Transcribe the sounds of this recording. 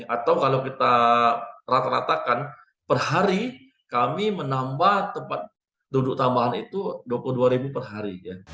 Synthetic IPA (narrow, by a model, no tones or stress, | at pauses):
at̪awkalawkit̪a | ɾat̪aɾa̰t̪akan | pərɦaɾi | kamimənambaht̪əmpat̪̚ | dudʊk̚t̪ambaɦanit̪uduapuluhduaɾibupərɦaɾija